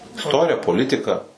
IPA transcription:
ɪsˈtoːrʲɪjɛ poːˈlʲɪtʲɪkɐ

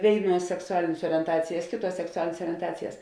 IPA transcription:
ˈʋʲeːɪˌnuɔs sʲɛksʊˈɑːlʲɪnʲeːs oːrʲiɛnˈtɑːt͡sʲɪjɛs ˈkʲeːˌtuɔs sʲɛksʊˈɑːlʲɪnʲeːs oːrʲiɛnˈtɑːt͡sʲɪjɛs

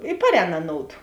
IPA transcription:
ɪ ˈpɑːrʲˌɛːn ɐˈnoːʊdʊ

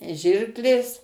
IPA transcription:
ˈʒʲɪrklʲeːs

